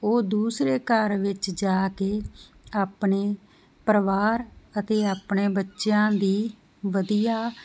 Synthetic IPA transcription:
oːd̪uːsɾeːkəɾʋɪt͡ʃd͡ʒaːkeː | aːpɳeː | pɾəʋaːɾət̪eːaːpɳeːbətːʃjãːd̪iː | ʋəd̪ijaː

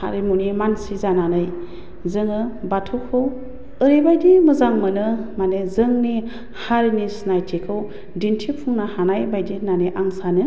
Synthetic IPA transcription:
ha̰ɾimunimansizananɯj | zɯŋɯbatʰukʰɯw | ɯɾibajdimɯzaŋmɯnɯmanezɯŋni | haɾinisnajtʰekʰɯw | dintʰipʰuŋnahanajbajdinaneʔaŋsanɯ

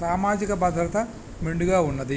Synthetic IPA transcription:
saːmaːd͡ʒikɐbɐd̪ʱɾɐt̪ɐ | miɳɖuɡaːunːɐd̪i

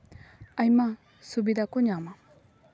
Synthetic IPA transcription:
ɐjma | subid̪akuɲama

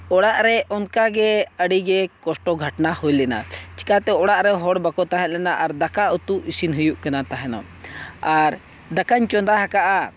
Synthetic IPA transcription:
ɔɽaʔɾɛʔɔnkaɡɛəɽiɡɛkɔsʈɔɡʱəʈnahujlɛna̰t͡ʃi̥kat̪ɛɔɽaʔɾɛɦɔɽbakɔt̪aɦɛt̪̚lɛnaʔaɾd̪akaut̪uʔisinɦujuʔkanat̪aɦɛnɔ̰ | aɾ | d̪akaɲt͡ʃɔnd̪aɦakaʔa

